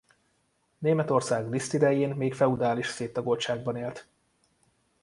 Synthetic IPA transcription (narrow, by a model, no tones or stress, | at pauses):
neːmɛt̪o̞rsaːɡlist̪id̪ɛjeːnmeːkfɛud̪aːliʃseːt̪ːɒɡo̞lʃaːɡ̚bɒneːlt̪